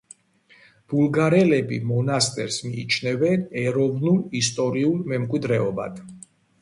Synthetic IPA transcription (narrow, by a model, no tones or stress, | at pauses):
b̥ulˠɡaɾɛlɛbḭmɔnast̪ʼɛɾsmiːt͡ʃʰnɛvɛnɛɾɔvnulist̪ʼɔɾiulˠmɛmkʼwid̪ɾɛɔba̰d̪̥ʰ